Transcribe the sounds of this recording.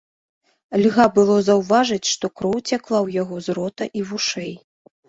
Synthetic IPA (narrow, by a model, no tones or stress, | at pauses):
lʲɣabɨlˠɔzɐwvaʐɐt͡sʲʂt̪ɔkɾɔwt͡sʲaklˠawjaɣɔzɾɔt̪ɐʔivuʂɛj